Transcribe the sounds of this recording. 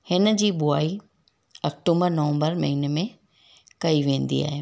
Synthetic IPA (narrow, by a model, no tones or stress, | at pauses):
hɪnə̆d͡ʑiːɓʊaːi | ɐk̚ʈũːmbəɾnɐʋə̃mbəɾmɐɦiːnmẽ | kɐiʋẽːnd̪ḭa̰ːɦeː